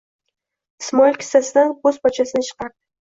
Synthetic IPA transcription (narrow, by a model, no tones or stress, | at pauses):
ɪsmɒɪlʲkʲʰɪ̥sasɪd̪anbozbat͡ʃʰasɪnɪt͡ʃʰɨ̥qʰɑɾd̪ɪ